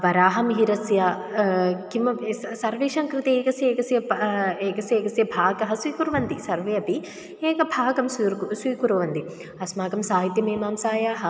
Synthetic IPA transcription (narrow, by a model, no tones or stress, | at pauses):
ʋɐɾaːɦɐmɦiɾɐsjɐ | kimɐsɐɾʋeːʃaːŋkɾit̪ieːkɐsjeːɡɐsjɐpeːkɐsjeːɡɐsjɐbʱaːɡɐɦɐsʋiːkuɾʋɐnd̪isɐɾʋɐjɐpi | eːkɐbʱaːɡɐmsɾsʋiːkuɾɐʋɐnd̪i | ɐsmaːɡɐmsaːɦit̪jɐmeːmaːmsaːjaːɦɐ